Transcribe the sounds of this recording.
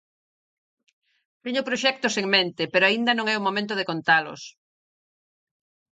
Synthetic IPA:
t̪iɲʊpɾoʃɛk̚t̪ʊseŋmẽnt̪ɪpeɾoaind̪ɐnõŋɛʊmomẽnt̪ʊð̞ekont̪alʊ̰s

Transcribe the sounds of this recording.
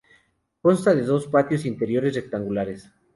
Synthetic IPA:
ko̞nst̪aðe̞ðo̞spat̪jo̞sint̪e̞ɾjo̞ɾe̞sre̞k̚t̪aŋɡulaɾes

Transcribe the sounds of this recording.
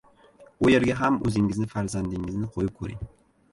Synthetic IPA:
ʊje̞ɾɡʲaɦamɵ̰zɪŋɪznɪfaɾzand̪ɪŋɪznɪqʰojɪp̚kʰɵɾɪ̰ŋ

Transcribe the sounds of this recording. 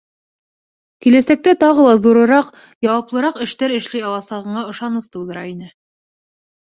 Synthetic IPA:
kilæsæk̚t̪æt̪ɑʁɤlˠɑðuɾɤ̆ɾɑq | jɑwɑplˠɤ̆ɾɑqɘ̆ʃt̪æɾɘ̆ʃlæjɑlˠɑsɑʁɤ̆ɴɑŏʃɑnɤst̪ɤ̆wðɤ̆ɾɑinɘ

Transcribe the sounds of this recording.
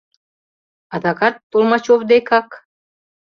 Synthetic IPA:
ɑd̪ɑkɑt̪ːolmɑt͡ɕoβd̪ekɑk

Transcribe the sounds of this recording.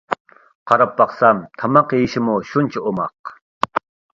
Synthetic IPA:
qʰɑɾɑpːɑqsɑmt̪ʰɑmɑqjejiʃɪmuʃunt͡ʃʰɛomɑq

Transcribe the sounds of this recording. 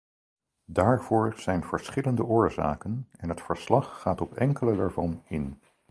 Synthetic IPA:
daːɹv̥ʊːɹz̥ɛjnv̥əɹsχɪləndəʔʊːɹza̰ːkənɛnɦətfəɹslɑχːaːtɔpɛ̰ŋkələdaːɹvɑnɪn

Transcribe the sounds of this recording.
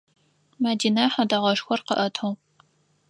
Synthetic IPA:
madinaħadɐʁɐʂxʷɔrqə̰ʔɐtʰow

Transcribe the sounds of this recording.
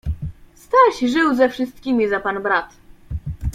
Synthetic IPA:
st̪aɕʐɘwzɛfʂɘst̪̚kʲimʲizapanbɾat̪

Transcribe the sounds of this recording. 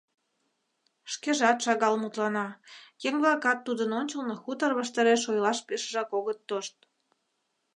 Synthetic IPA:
ʃkeʒɑt̪ʃɑɣɑlmut̪lɑnɑjeŋβlɑkɑt̪ːud̪ənonʲt͡ɕəlnoxut̪ərβəʃt̪əɾeʃojlɑʃpeʃəʒɑkoɣət̪ːoʃt̪̚

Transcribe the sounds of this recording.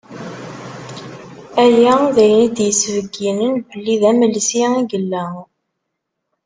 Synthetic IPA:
ælæðæjənid̪jəsvəɡinənbəlːiðæməlsiiɡəlːæ

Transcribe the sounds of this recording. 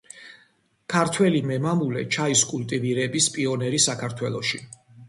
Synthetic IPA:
kʰaɾt̪ʰwɛlimɛmamulɛ̰t͡ʃʰaiskʼult̪ʼiviɾɛbispʼiɔnɛɾisakʰaɾt̪ʰwɛlˠɔʃi

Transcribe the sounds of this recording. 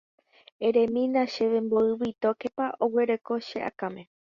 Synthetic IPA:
ẽɾẽ̞mĩnãʃe̞ʋẽ̞mboɨβit̪okepaʔoweɾe̞ko̞ʃeʔa̰kamẽ̞

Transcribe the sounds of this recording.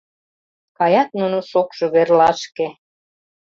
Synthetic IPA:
kɑjɑt̪̚nunoʃokʃoβerlɑʃke

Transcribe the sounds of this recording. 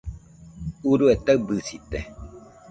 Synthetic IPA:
uɾuet̪abɨsit̪ḛ

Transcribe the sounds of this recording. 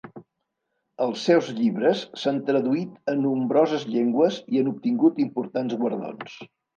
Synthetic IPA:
əlˠsːɛwzʎiβɾəsːant̪ɾəðuit̪ənːumbɾɔzəzʎeŋɡwəziənup̚t̪iŋɡut̪impuɾt̪anzɣwəɾðo̰ns

